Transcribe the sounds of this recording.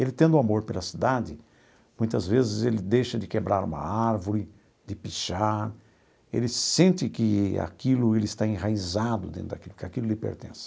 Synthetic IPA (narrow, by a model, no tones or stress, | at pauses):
elɪt̪ẽnd̪ʊamoɾpelɐsid̪ad̪ɪ | mũj̃t̪ɐzvezɪzelɪd̪ejʃɐd̪ɪkebɾaɾṵ̃mɐ̰aɾvʊɾɪ | d̪ɪpiʃaɾ | ḛlɪsẽnt̪ɪkɪa̰kilʊelɪst̪aẽɦaizad̪ʊd̪ẽnt̪ʊd̪a̰kilʊkɪakilʊlɪpḛɾt̪ḛ̃sɪ̥